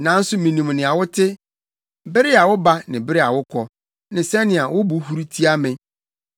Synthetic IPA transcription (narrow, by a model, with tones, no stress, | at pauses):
nã˨˦n̩˦sʊ˦mĩ˨nũ˨m˨nɪ̃˨a˨wʊ˦tʰɪ˦ | bɪ˦ɾɪ˦a˨wʊ˦ba˦nɪ̃˨bɪ˦ɾɪ˦a˨wʊ˦kʰɔ˨ | nɪ̃˨sɛ˦nɪ̃˨a˨wʊ˦bu˨hu˦ɾi˦tʰi˦a˦mɪ̃˨